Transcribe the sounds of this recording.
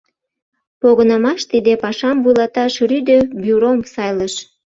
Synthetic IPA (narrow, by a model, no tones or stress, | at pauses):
poɣənəmɑʃt̪id̪epɑʃɑmvujlɑt̪ɑʃryd̪øbyɾomsɑjləʃ